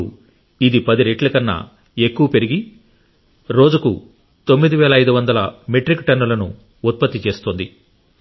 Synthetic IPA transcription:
id̪ipɐd̪iɾeʈlɐkɐnːa̰ | ekːuʋɐpe̞ɾiɡi | ɾo̞ːd͡ʒukṵ | t̪o̞mːid̪iʋɛːlɐɐjd̪uʋɐnd̪ɐlɐmeʈɾikːʈɐnːulɐnuː | t̪̚pɐt̪ːit͡ʃe̞ːst̪ond̪i

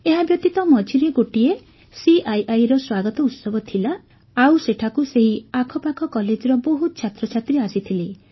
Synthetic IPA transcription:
eɦabjɔt̪it̪ɔmɔt͡ʃiɾiɡoʈie | siʔajajɾɔswaɡɔt̪ɔut̪sɔbɔt̪ʰila | awseʈʰakuseɦiakʰɔpakʰɔkɔled͡ʒɔɾɔboɦut̪t͡ʃʰat̪ɾɔt͡ʃʰat̪ɾiasit̪ʰile

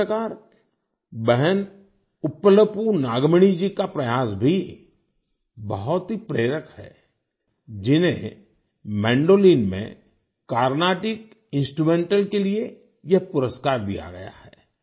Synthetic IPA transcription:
əkaːɾ | bɛɦɛn | ʊpələpunaːɡməɽ̃id͡ʒikapɾɐjaːsbʱi | bɐɦʊt̪ɦipɾeːɾəkhɛ̰ː | d͡ʒɪnɦẽ | mɛ̃ːɳɖoːliːnmḛ̃ | kaːɾnaːʈɪk | ɪ̃nsʈɾumẽːɳʈəlkelie | jɐɦpʊɾəskaːɾd̪ḭja̰ɡɐja̰ɦɛː

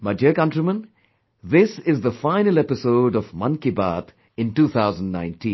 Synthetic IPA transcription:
mədəkʌ̃nʈɾəmə̃n | d̪ɪsɪzd̪əfãɪnəlepɪsoʊɖɔʋmʌ̃nkiba̰ːt̪ | ɪ̃nʈuːt̪ʰaʊzə̃nɖnã̰ɪ̃nʈʰĩːn

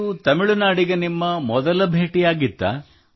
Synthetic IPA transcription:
ut̪ɐmiɭunaːɽiɡenimːɐmɔd̪ɐlɐbʱeːʈijaːɡit̪ːɐ̰

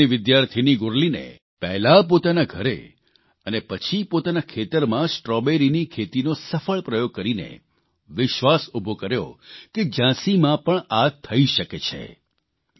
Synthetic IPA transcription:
iʋɪd̪jaɾt̪ʰiniɡʊɾlinḛ | pɛɦlap̬ot̪anaɡʱəɾḛ | ənepət͡ʃʰipot̪anakʰet̪əɾmãsʈɾɔbeɾinikʰet̪inosəfəɭpɾəjoɡ̚kəɾinḛ | ʋɪʃʋasubʱokəɾjo̰ked͡ʒãsimãpəɳat̪ʰːəiʃəket͡ʃʰḛ

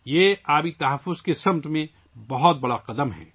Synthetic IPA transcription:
jeaːbit̪ɐɦəfːʊzkesɐ̃mt̪mẽ | bɐɦʊt̪̚bɐɽaqɐd̪əmɦɛ̰ː

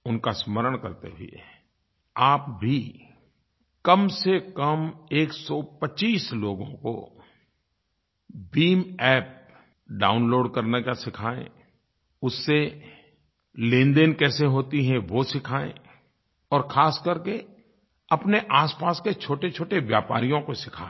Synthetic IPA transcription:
ʊnkasməɾəɽ̃kɐɾt̪ḛɦḭḛ | aːpbʱi | kɐmsekəmeːksɔpət͡ʃiːsloːɡõ̰ko̰ | biːmɛːp̚ | ɖaːʊnloːɖkɐɾnekasɪkʰaːḛ̃ | ʊsːe | lẽːnd̪enkɛːseɦoːt̪iɦɛ̃ʋosɪkʰaːḛ̃ | ɔːɾxʰaːskəɾke | ɐpneʔaːspaːsket͡ʃʰoːʈet͡ʃʰoːʈeʋjaːpa̰ːɾijõkosɪkʰa̰ːe

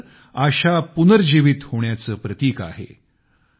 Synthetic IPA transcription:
aɕapunəɾd͡ʑiʋit̪hoɳjat͡səːpɾət̪iːka̰ɦḛ

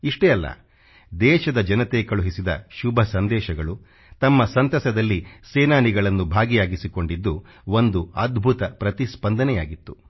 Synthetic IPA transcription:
iʂʈɛːɐlːɐ̰ | d̪ɛːʃɐd̪ɐd͡ʒɐnɐt̪eːkɐɭuɦisid̪ɐ̰ʃubʱɐsɐnd̪ɛːʃɐɡɐɭu | t̪ɐmːɐsɐnt̪ɐsɐd̪ɐlːiseːnaːniɡɐɭɐnːubʱaːɡijaːɡisiko̞ɳɖid̪ːu | o̞nd̪uɐd̪bʱut̪ɐpɾɐt̪ispɐnd̪ɐnɛjaːɡit̪ːu̥

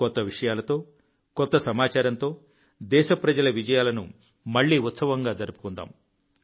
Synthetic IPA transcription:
kɔt̪ːɐʋiʂɐjaːlɐt̪o̞ː | kɔt̪ːɐsɐmaːt͡ʃaːɾɐnt̪o̞ː | d̪ɛːʃɐpɾɐd͡ʒɐlɐʋid͡ʒɐjaːlɐnṵ | mɐɭːiːut̪sɐʋɐŋɡaːd͡ʒɐɾupu̥kund̪a̰ːm

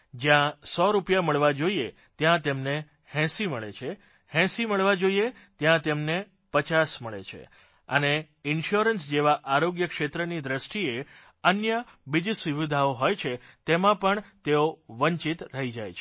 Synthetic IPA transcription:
d͡ʒjãsɔɾupjaməɭʋad͡ʒoie | t̪jãt̪emne | hɛ̃siməɭḛt͡ʃʰe | hɛ̃siməɭʋad͡ʒoie | t̪jãt̪emne | pət͡ʃasməɭḛt͡ʃʰḛ | ə̰ne | ɪnʃuɾənsd͡ʒeʋaʔaɾoɡjəkʃet̪ɾənid̪ɾəʃʈie | ənjəbid͡ʒsiʋid̪ʱaoɦojt͡ʃʰet̪emãpəɳt̪eoʋəɲt͡ʃit̪ɾəɦid͡ʒa̰jt͡ʃʰe

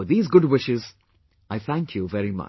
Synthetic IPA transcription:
ðiːzɡʊdwɪʃɪz | ʔaɪθæ̃ŋkʰjuvɛɾimʌ̰

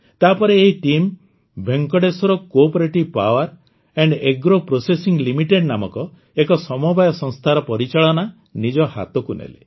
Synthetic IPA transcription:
t̪apɔɾeːɦiʈim | bʱeŋkɔɽesɔɾɔkopɔɾeʈipa̰waɾ | eɳɖeɡɾopɾosesiŋlimiʈeɖnamɔkɔ | ekɔsɔmɔbʱajɔsɔ̃ŋst̪ʰaɾɔpɔɾit͡ʃaɭɔna | nid͡ʒɔha̰t̪ɔkunḛlḛ

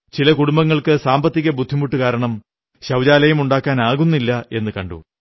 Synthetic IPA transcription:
t͡ɕilɐkuɽumbɐŋːɐɭkɨsaːmbɐt̪ːiɣɐbud̪ʱːimuʈːukaːɾɐɳɐm | ɕɐwd͡ʑaːlɐjumuɳɖaːkːaːnaːɣunːilːɐe̞nːɨkɐɳɖṵ

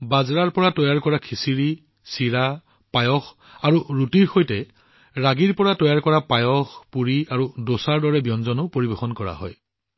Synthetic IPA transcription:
bazɹaɹpɔɹatɔjaɹkɔɹakʰisiɹi | siɹa | pajɔx | aɹuɹutiɹxojtɛ | ɹaɡiɹpɔɹatɔjaɹkɔɹapajɔxpuɹiaɹudosaɹdɔɹɛbjɔnzɔnʊpoɹibɛxɔnkɔɹa̰ɦɔ̰j

